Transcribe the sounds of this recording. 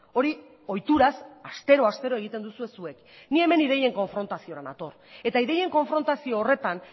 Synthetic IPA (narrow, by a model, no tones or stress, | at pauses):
o̞ɾi | o̞jt̪uɾasast̪e̞ɾo̞ast̪e̞ɾo̞e̞ɣ̞it̪e̞nd̪usue̞sue̞k | nie̞me̞nið̞e̞je̞ŋko̞ɱfɾo̞nt̪asio̞ɾanat̪o̞r | e̞t̪aiðe̞je̞ŋko̞ɱfɾo̞nt̪asio̞ːre̞t̪an